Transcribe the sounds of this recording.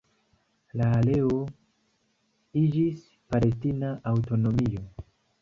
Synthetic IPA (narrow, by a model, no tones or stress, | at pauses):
laːle̞o̞ | id͡ʒis | pale̞s̬tinaʔawto̞no̞mio̞